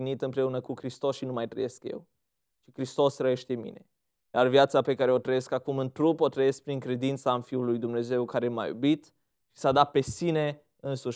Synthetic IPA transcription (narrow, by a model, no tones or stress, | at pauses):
init̪ɨmpɾe̞unəkukɾist̪o̞sʃinumajt̪ɾə̰je̞skjḛw | t͡ʃikɾist̪o̞srəje̞ʃt̪e̞mḭne̞̰ | jarvjat̪sape̞kaɾeo̞t̪ɾəje̞skakumɨnt̪ɾupot̪ɾəje̞sk̚pɾiŋkɾe̞d̪int̪saɨnfiulujd̪umne̞ze̞wkaɾe̞ma̰jṵbit̪ | ʃi̥sad̪at̪̚pe̞sine̞ | ɨnsuʃ